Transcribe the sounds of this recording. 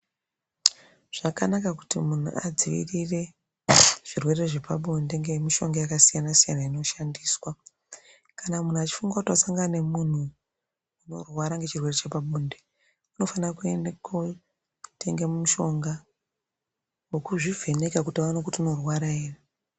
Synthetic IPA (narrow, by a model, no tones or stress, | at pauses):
ʐ̥akanakaku̥timun̤ṵʔa̰d͡ziʋḭrire̞ | ʐ̥irwe̞re̞ʐe̞paɓonde̞ŋɡemiʃo̞ŋɡajakasijanasijanaino̞ʃandiːswa | kanamun̤uat͡ʃi̥fuŋɡakutwasaŋɡane̞mun̤u | uno̞rwaɾaŋɡe̞t͡ʃirwe̞ret͡ʃepaɓoːnde | uno̞fanrakuendeko | te̞ŋɡemumuʃo̞ŋɡa | wokuʐivʱe̞ne̞kakutawanokutiuno̞rwaɾaeːri